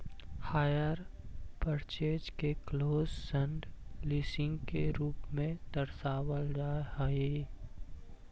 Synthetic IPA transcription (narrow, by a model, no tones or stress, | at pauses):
haːjəɾpəɾt͡ʃeːd͡ʒkekloːzsə̃ɳɖlisɪ̃ŋɡkeɾuːpmẽd̪əɾsaːwəld͡ʒaːɦe